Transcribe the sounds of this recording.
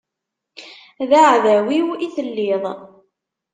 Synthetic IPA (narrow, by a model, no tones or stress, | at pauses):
ðaʕðæwiwiθəlːiðˤ